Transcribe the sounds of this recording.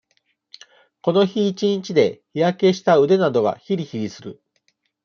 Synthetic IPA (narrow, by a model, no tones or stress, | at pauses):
ko̞no̞çiːt͡ɕiɲit͡ɕid̪e̞çijake̞ɕi̥t̪aɯ̟d̪e̞nad̪o̞ɡa̰çiɾʲiçiɡʲisɨɾɯ̟